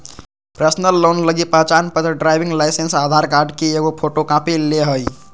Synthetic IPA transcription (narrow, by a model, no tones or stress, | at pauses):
pɾəsnəlːonləɡipət͡ʃanpət̪ɾəɖɾajbʱiŋɡlajsensad̪ʱaɾkaɾɖkeeɡopʰoʈokãpileɦəj